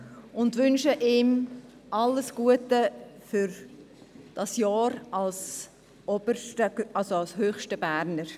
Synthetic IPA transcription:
ʊndvʏnʃəʔɪːm | ʔɑlːəsɡ̥uətəfʏɾ | d̥ɑsjɑːɾɑls | ʔɔbəʃtəɑlsoɑlshøːχʃtəb̥æɾnəɾ

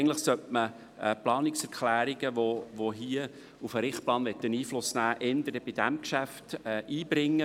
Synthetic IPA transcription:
n̩tləχsœtmə | ɛplɑːnɪksɛɾkχlæːɾiɡ̥əʋoʋoɦiə | ufəɾɪχt̚plɑːnʋɛt̪ːəniːflʊsnæːʔɛnd̪əɾdəb̥ɪd̥æmkʃæftɛʔiːbɾɪŋːə

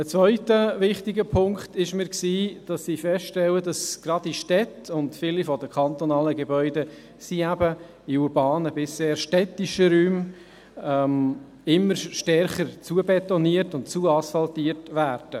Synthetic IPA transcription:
ət͡sʋœʏtəvɪχtiɡəpʰʊŋktɪʃmɪːɾksiːd̥ɑsːiːfɛstʃtɛlədɑsɡ̥ɾɑdiʃtɛtʊntfilifɔdəkʰχɑnt̪ɔnɑːləɡɛbœʏdə | siæbə | iuɾbɑːnəbɪseːɾʃtɛtiʃəɾyːm | ɛm | ɪmːəɾʃtɛɾχəɾt͡suəbɛtɔniərtʊntt͡suəɑsfɑltiəɾtʋæːɾd̥ə

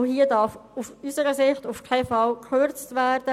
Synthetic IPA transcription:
hiədɑfufysəɾəsɪχtʊfkʰaɪfɑlkʰøɾt͡stvæːɾd̥ə

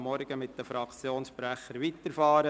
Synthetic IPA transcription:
mːɔɾɡ̥əmɪtd̪əfɾɑkt͡sjoːnsʃpɾæχəɾʋit̪əɾfɑːɾə

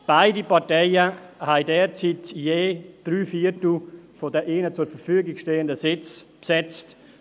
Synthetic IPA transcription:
b̥aɪdipɑtɛɪəhaɪdɛːɾt͡sitjeːd̥ɾyːfiːɾtl̩fodəʔeːnət͡sʊɾfəɾfyːəɡɪɡʃteːəndəsɪt͡spsɛt͡st

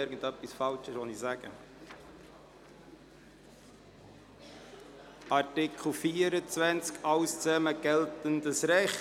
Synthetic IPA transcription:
ɪɾɡ̥ən̩dœpːisfɑlt͡ʃəsʋɔnisæɡ̥ə̰ | ɑɾtɪkʰl̩fiːəɾət͡sʋænt͡skʰɑʊst͡sɛməɡ̥ɛltəndəsɾɛχ

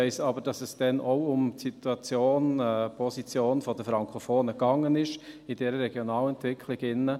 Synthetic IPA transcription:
ɛɪsɑbəɾd̥ɑsɛsd̥ɛnoʊʊmsit̪uɑt͡sjoːnɛpʰɔsit͡sjoːnfɔdəfɾɑŋkʰofoːnəɡɑŋːənɪʃɪd̥ɛɾəɾɛɡjonɑːlɛntʋɪkʰlɪɡɪnːə

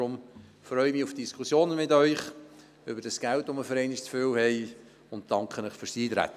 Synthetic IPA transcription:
ɾʊmfɾœʏəmɪːufd̥iskʰusjoːnəmɪtœʏχ | ʏbəɾdɑsɡ̥æltoməfəɾɛɪnɪʃt͡sføwhɛɪ | ʊnt̚d̥ɑŋkχənəχføɾsiːt̪ɾæ̰tːə

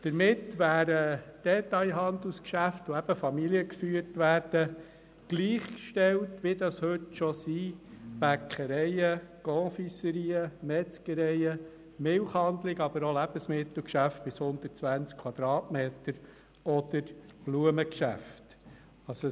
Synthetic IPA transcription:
d̥əɾmɪtʋæːɾəd̥ɛt̪ɑɪɦɑnd̪uskʃæftoæb̥əfɑmiliəkfyːəɾtʋæːɾd̥ə | ɡ̥liːχkʃtɛltʋɪd̪ɑshɵtʃɔsiːb̥ækʰχəɾɛɪəɡ̥ɔːfisəɾiːəmɛt͡skəɾɛjə | mɪlχhɑnd̪lɪɡɑb̥əɾolæbəsmɪt̪l̩kʃæft̚b̥ɪshʊnd̪ətt͡sʋænt͡skʰwɑd̪̥ɾɑːtmeːt̪əɾ | ɔd̪əɾb̥luəməkʃæ̰ft | ɑso

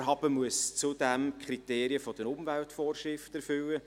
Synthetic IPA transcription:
ɦɑb̥əmuəst͡sud̥ɛmkʰɾiteːɾiəfɔd̥əɾʊmvæltfɔːrʃrɪftɛɾfʏlːə

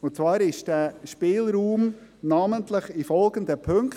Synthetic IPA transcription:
ʊt͡svɑːɾɪʃd̥æːʃpɪːlɾuːmnaməntləχifɔlɡəndəpʰɵŋk

